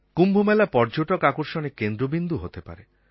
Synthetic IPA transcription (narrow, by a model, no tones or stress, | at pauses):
kumbʱomelapɔɾd͡ʒoʈɔkakɔɾʃɔnekend̪ɾobind̪ʱuɦot̪epa̰ɾe